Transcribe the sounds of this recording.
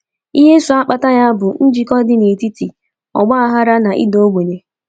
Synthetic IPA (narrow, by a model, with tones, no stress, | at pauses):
i˦ɦe˦sʊ˨a˦k͡pa˨ta˦ja˦bʊ˨n̩˦d͡ʒi˨kɔ˦dɪ˦ne˨ti˦ti˨ | ɔ̰˨ɡ͡ba˦a˦ɦa˦ɾa˦na˨ʔḭ˦do˦o˦ɡʷe˨ɲe˨